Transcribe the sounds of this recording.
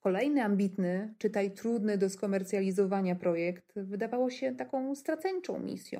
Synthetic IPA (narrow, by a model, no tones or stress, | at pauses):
kɔlɛjnɘambʲit̪nɘt͡ʂɘt̪ajt̪ɾud̪nɘd̪ɔskɔmɛɾt̪sʲjalʲizɔvaɲapɾɔjɛkt̪vɘd̪avawɔɕɛt̪akɔ̃w̃st̪ɾat̪sɛɲt͡ʂɔ̰̃w̃mʲḭsʲjɔ̰̃w